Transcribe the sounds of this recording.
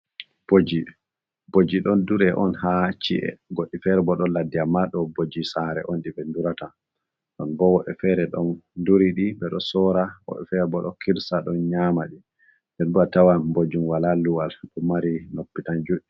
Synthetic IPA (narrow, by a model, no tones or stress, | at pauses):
b̥od͡ʒi | bod͡ʒiɗɔnduɾɛʔɔnhat͡ʃḭʔɛ̰ɡoɗːifɛɾbɔɗɔladiamːaɗɔbod͡ʒisaɾɛ̰ʔɔnɗibɛnduɾata | ɗɔnbɔwɔɓɛfɛɾɛɗɔnduɾiɗibɛɗɔsɔɾawɔ̰ɓɛfɛɾbɔɗɔkiɾsaɗɔnɲamaɗi | ndɛnɗuatawanbod͡ʒumwalaluwalɗɔmaɾinopːitand͡ʒuɗi